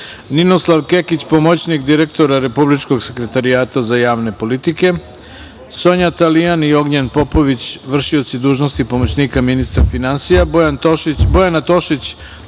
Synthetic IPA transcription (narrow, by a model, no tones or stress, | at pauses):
nino̞slˠaʋke̞kit͡ɕpo̞mot͡ɕnikd̪iɾe̞kt̪o̞ɾaɾe̞publit͡ʃko̞ɡse̞kɾe̞t̪aɾijaːt̪azajaːʋne̞po̞lit̪ike̞ | so̞ɲat̪alijanio̞ɡɲanpo̞po̞ʋit͡ɕʋr̩ʃio̞t̪sid̪uːʒno̞st̪ipo̞mot͡ɕniːkaminist̪ɾafinansijabojant̪obo̞janat̪o̞ʃit͡ɕ